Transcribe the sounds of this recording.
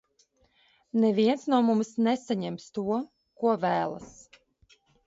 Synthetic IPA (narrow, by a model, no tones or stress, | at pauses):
nɛviɛnt̪snuɔmumsnɛsaɲɛmst̪uɔ | kuɔvæːlˠa̰s